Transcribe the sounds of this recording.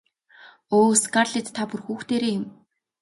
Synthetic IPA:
oːskarɮet̪tʰːapurxuːxt̪eːɾeːjɪ̆m

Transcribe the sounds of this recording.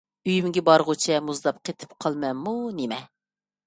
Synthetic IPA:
yjymɪɡʲɛbɑɾʁʊt͡ʃʰɛmuzd̪ɑp̚qʰet̪ʰɪ̥pqʰɑlˠmɛmːunemɛ

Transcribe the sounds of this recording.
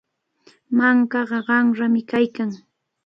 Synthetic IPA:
maŋkɑɢɑɢɑmɾamɪkajkaŋ

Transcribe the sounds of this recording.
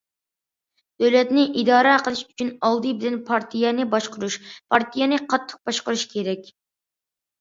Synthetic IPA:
d̪̥øwlɛt̪nɪʔid̪ɑːɾɛqʰəlˠɨʃyt͡ʃʰynɑlˠd̪ɨbɪlɛnpʰɑɾt̪ʰijɛnɪbɑʃqʊɾuʃpʰɑɾt̪ʰijɛnɨqʰɑt̪ʰːə̥q̚bɑʃqʊɾuʃkʲʰeɾɛkʲ

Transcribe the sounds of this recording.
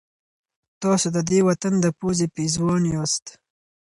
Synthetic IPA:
t̪ɑsod̪əd̪ewat̪and̪əpozepizwɑnjɑst̪

